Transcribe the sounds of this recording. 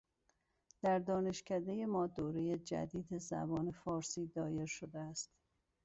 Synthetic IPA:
d̪̥æɾd̪ɒːne̞ʃcʰæd̪e̞je̞mɒːd̪oːɾejed͡ʒæ̰d̪iːd̪ezæ̰bɒːne̞fɒːɾsiːd̪ɒːje̞ɾʃod̪eæst̪

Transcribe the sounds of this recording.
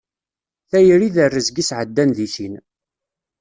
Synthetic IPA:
θæjəɾiðərːəzɡisʕəd̪ːænðiʃin

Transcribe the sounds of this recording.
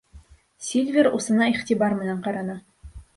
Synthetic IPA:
sʲelʲvʲeɾusɤ̆nɑiχt̪ibɑrmɘ̆næɴqɑɾɑnɑ

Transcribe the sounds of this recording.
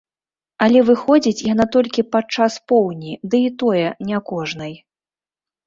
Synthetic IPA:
ɐlʲɛvɨxɔd͡zʲit͡sʲjan̪at̪ɔlʲkʲipat͡ʂaspɔwnʲid̪ɨit̪ɔjɛnʲakɔʐnɐj

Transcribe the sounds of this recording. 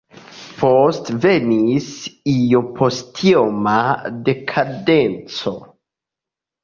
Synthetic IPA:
postve̞nisijopʰo̞stʰiomade̞kʰadent͡so̞

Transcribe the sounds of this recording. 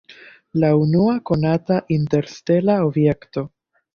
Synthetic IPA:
launuako̞nataʔinte̞ɾste̞lao̞bje̞kto̞

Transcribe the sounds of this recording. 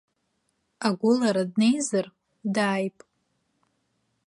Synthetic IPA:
aɡʷʊlaɾadne̞jzɨr | daːjpʼ

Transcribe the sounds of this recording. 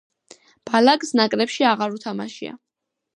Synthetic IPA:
b̥alakʼsnakʼɾɛpʃiaʁaɾut̪ʰama̰ʃḭa̰

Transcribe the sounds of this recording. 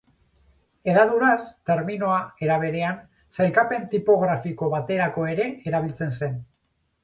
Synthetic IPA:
e̞ðaðuɾast̪e̞ɾmino̞ae̞ɾaβ̞e̞ɾe̞an | selkape̞nt̪ipo̞ɣɾafiko̞βat̪e̞ɾako̞e̞ɾe̞eɾaβ̞ilt͡se̞nse̞n

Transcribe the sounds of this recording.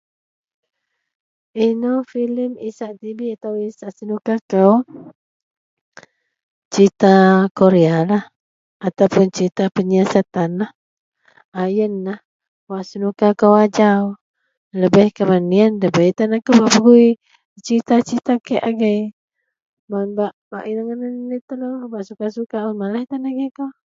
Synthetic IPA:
inofiləmisaʔt̪ibiat̪awisaʔsənukakəw | t͡ʃit̪akoɾealah | at̪awpʊnt͡ʃit̪apəɲasat̪anah | ajənːah | waʔsənukakəwad͡ʒaw | ləbəhkamanːiənləbəit̪anakəwbaʔbəɡui | t͡ʃit̪at͡ʃit̪akeʔaɡəj | manbaʔbaʔinaŋənənnit̪əlobaʔsukasukaamalat̪anaɡəkəw

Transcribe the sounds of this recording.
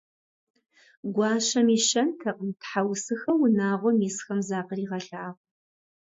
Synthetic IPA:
ɡʷɑːɕɐmiːʃɐntʰɐqəntħawsɨxɐwʊnaːʁʷɔmiːsxɐmzaːqəriːʁɐɬaːʁʷ

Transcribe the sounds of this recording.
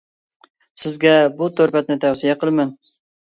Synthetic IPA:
sɪzɡʲɛbut̪ʰɵɾpɛt̪nɪt̪ʰæwsijɛqəlˠmɪn

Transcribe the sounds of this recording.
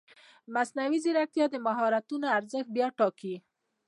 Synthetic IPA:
masnawiziɾak̚t̪jɑd̪əmaɦɑɾat̪unoaɾzəxt̪̚bjɑʈɑki

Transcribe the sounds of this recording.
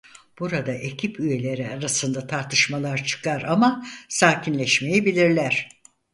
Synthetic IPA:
b̥uɾad̪aʔe̞cʰipʰyje̞lʲe̞ɾiaɾasɯnd̪at̪ʰaɾt̪ʰɯʃmalˠaɾt͡ʃʰɯ̥kaɾamasaːcʰinlʲɛʃme̞jibilʲiɾlʲæɾ̥

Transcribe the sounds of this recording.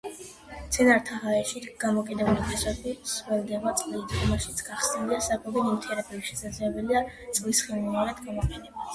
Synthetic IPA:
t̪sʰɛnaɾt̪ʰaɦaɛʃiɡ̥amɔkʼid̪ɛbulipisɛbiswɛlˠɡɛmat̪sʼliːd̪ʁɔmaʃit̪sʰɡ̥aχsniliasakʼɔbɔnimt̪ʰɛɾɛbiwiʃɛsad̪zlɛbɛlia | t̪sʼlisχilˠmiaɾɛd̪ɡamɔqʼɛnɛba

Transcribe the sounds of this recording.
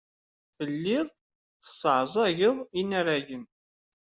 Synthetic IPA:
fəlːɪðˤ | θə̥sːəʕzˤɑʝəðˤinæɾæʝən

